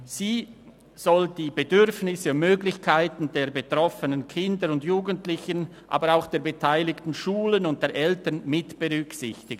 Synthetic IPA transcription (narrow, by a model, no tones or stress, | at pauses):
z̥iː | z̥ɔld̥iːbedʏɾfnɪsəmøːɡlɪçkʰaɪtn̩deːɐbetʁ̥ɔfənənkʰɪndəɾʊndjuːɡəntlɪçən | ʔa̰ːbəɾaʊxd̥eːɐbetʰaɪlɪktn̩ʃuːlənʊnt̚d̥eːɐʔɛltənmɪtb̥eʁʏksɪçtɪɡən